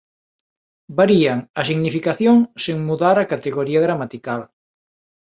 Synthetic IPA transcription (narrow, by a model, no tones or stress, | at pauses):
baɾiaŋɐsiɣnifikaθjoŋseŋmuðaɾakat̪eɣoɾiɐɣɾamat̪ikal